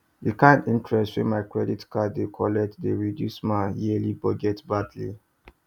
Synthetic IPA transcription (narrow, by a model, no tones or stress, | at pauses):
dikãɪ̃ndĩntɹɛstwĩmaɪkɹɛditkadekʰɔlɛk̚tdeɹidjusmãjilibɔɡɛtbadlḭ